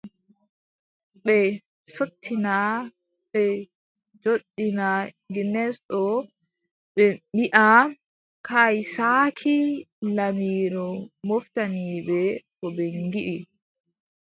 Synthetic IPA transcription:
ɓɛ | sotʰːina | ɓɛ | d͡ʒoɗːina | ɡinɛsɗɔ | ɓɛbiʔa | kʰajsaːkʰi | lamiːɾɔmoftaniːbɛkɔbɛŋɡiʔi

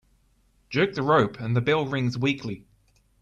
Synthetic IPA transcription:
d̥ʒ̥ɜˑk̚ðəɹəʊpʰə̃nðəbɪlˠɹɪ̃ŋzwiˑkʰli

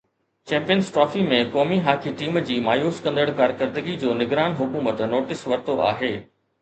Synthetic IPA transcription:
t͡ɕɛ̃ːmpijənsʈɾɔːfimẽkɔːmiɦaːkʰiʈiːmd͡ʑiːmaːjuːskɐ̃nd̪əɽkaːɾkəɾd̪əɡid͡ʑoːnɪɡɾaːnɦʊkuːmət̪noːʈɪsʋɐɾt̪oʔa̰ːɦeː

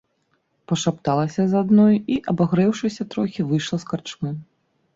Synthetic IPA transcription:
pɐʂapt̪alˠɐsʲɐzad̪nɔjiʔɐbaɣɾɛwʂɨsʲɐt̪ɾɔxʲivɨjʂlˠɐskart͡ʂmu

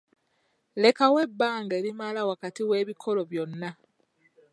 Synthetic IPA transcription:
le̞kawe̞bːaːŋɡe̞ːɾimalawakatiwe̞ːβikʰo̞lo̞βjo̞nːa

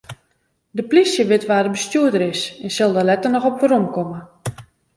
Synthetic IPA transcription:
dəplisjəʋɪtʋaːdəbəstjuədəɾɪsɛnsɪlˠdəlɛtərnɔxɔpʋəɾomkɔmə

